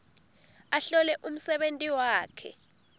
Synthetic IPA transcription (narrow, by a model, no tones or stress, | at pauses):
aɬɔlɛʔum̩sɛɓentʼiwaːkʰɛ̰